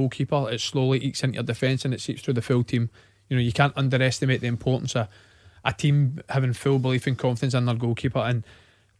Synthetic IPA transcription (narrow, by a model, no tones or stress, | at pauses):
olˠkʰipə˞ɪtslˠolˠiʔit͡ʃsɪ̃njə̰˞dɪfɛ̃nsə̃nɪtsipsθɹʉːðəfɪlˠtʰĩm | jənojəkʰãnʔʌ̃ndə˞ɛstɪmeʔðiɪ̃mpʰɔɹʔn̩sə | ʔətʰĩmhavɪ̃ŋfɪlˠbɪlˠifɪ̃nkʰɔ̃ɱfɪdə̃ns̬ə̃nðə˞ɡolˠkʰipə˞ə̃n